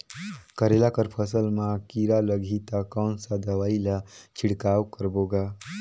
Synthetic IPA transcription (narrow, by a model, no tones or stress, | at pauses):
kəɾelakəɾpʰəsəlmãkiɾaləɡʱit̪akɔːnsad̪əʋaːilat͡ʃʰɪɽkaːwkəɾboɡa